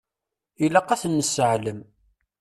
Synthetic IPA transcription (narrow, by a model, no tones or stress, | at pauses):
ilæqɑθənːəsəʕləm